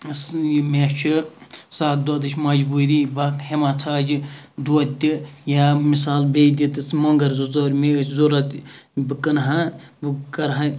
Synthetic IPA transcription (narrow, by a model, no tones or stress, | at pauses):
smet͡ʃʰisaːt̪̚d̪od̪ɨt͡ʃʰʲmɐd͡ʒbuːɾibɐkhemaːt͡sʰaːd͡ʒid̪uɐt̪ʲːijaːmisaːlbeːd̪ʲit̪ɨt͡sʰmoŋɡɐɾzuzoɾmezoɾɐt̪bɨkɐnɦãbɨkɐɾɦã